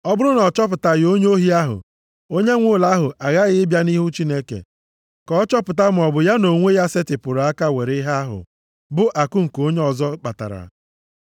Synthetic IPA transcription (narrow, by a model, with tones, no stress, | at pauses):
ɔ˦bʊ˦ɾʊ˦nɔ˨t͡ʃɔ˦p̬ʊ˨ta˨jo˦ɲ˦o˦ɦi˦a˦ɦʊ̰˨ | o˦ɲe˦ŋʷʊ˦˨la˦ɦʊ˨ʔa˨ɣa˦ɣɪ˦ɪ˦bja˦ni˦ɦu˦t͡ʃi˦ne˦kḛ˨ | kɔ˨˦t͡ʃɔ˦pʊ˨ta˦m̩˨ɔ˨bʊ˨ja˦no˨ŋʷe˦ja˦sɪ˦tɪ˨pʊ˨ɾa˦ka˦we˨ɾɪ˦ɦa˦a˦ɦʊ̰˨ | bʊ˦ʔa˨kʊ˦ŋ̩˨ko˦ɲe˦ɔ˨zɔ˦k͡pa˨ta̰˨ɾa̰˨